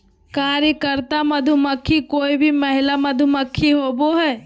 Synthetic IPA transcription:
kaːɾjəkəɾt̪aməd̪ʱuməkʰːikoːibʱimɐɦɪlaməd̪ʱuməkʰːiɦoboɦɛː

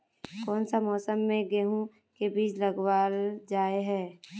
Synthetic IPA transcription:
kɔːnsamɔːsəmːẽɡeɦũ | kebiːd͡ʒləɡwaːld͡ʒaːeɦɛː

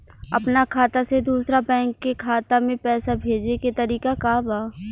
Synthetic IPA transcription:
ɐ̰pnakʰaːt̪ased̪uːsɾabɛ̃ːŋkːekʰaːt̪amẽpɛːsabʱeːd͡ʒeket̪ɐɾiːkakaːbaː

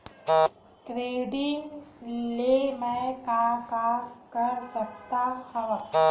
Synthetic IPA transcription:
kɾeːɖɪŋɡlemẽkakakəɾsəkt̪ahɐʋa

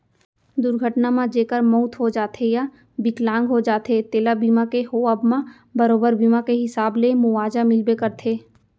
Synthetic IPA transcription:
d̪ʊɾɡʱəʈnamãd͡ʒeːkəɾmɔʊt̪ɦod͡ʒaːt̪ʰeja | bɪklãːŋɡɦod͡ʒaːt̪ʰet̪eːlabiːmakeɦoəbmã | bɐɾoːbəɾbiːmakeɦɪsaːblemʊwaːd͡ʒamɪlbekəɾt̪ʰeː

